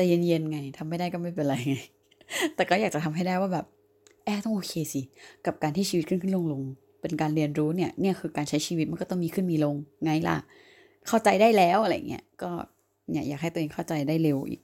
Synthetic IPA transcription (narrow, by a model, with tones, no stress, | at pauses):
t̪ɛ˨˩ja˧ŋje˧nŋa˧jt̪ʰa˧mːa˥˩jda˥˩jkɔː˥˩ma˥˩jpe˧nɾa˧jŋa˧j | t̪ɛː˨˩kɔː˥˩jaː˨˩k̚t͡ɕa˨˩t̪ʰa˧mɦa˥˩jdaː˥˩jwaː˥˩bɛː˨˩p̚ | ʔɛː˥˩t̪ɔ˥˩ŋʔoː˧kʰeː˧si˧˩ka˨˩p̚kaː˧nt̪ʰiː˥˩t͡ɕʰiː˧˦t̪̚ʰɯ˥˩nkʰɯ˥˩nlo˧ŋlo˧ŋ | pe˧nkaː˧nɾi˧ənɾuː˦˥ni˥˩ɐni˥˩ɐkʰɯː˧kaː˧nt͡ɕʰa˦˥jt͡ɕʰiː˧wt̪̚ma˧nkɔː˥˩t̪ɔ˥˩miː˧kʰɯ˥˩nmiː˧lo˧ŋːa˧˥jla̰˧˩ | kʰa˥˩wt͡ɕa˧jdaː˥˩jlɛː˦˥wʔa˧la˧ja̰˨˩ŋːḭ˦˥ɐkɔː˥˩ | nja˧˨˩jaː˨˩ɦa˥˩t̪ːʔeː˧ŋkʰa˥˩wt͡ɕa˧jdaː˥˩jle˧wʔḭː˨˩k̚